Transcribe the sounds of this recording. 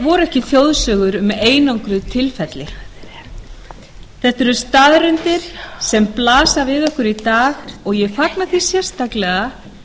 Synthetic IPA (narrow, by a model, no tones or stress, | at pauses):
vɔɾɛhcɪθjowðsœːɣʏɾʏmeːjnawŋkɾʏðt̪ʰɪlfɛt̪lɪ | θɛht̪ɛɾʏst̪aːðɾʏnt̪ɪɾ̥sɛmplaːsavɪðœhkʏɾit̪aːɣɔɣjɛfaknaθisjɛr̥st̪aklɛɣa